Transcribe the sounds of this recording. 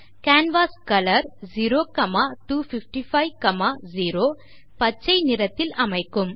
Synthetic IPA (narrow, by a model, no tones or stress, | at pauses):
kaːnʋaːskɐlɐɾziːɾoːkɐmaːʈuːfifʈifʰɐjkɐmaːziːɾoː | pɐt͡ʃːɐjnɪɾɐt̪ːɪlɐmɐɪkːɯm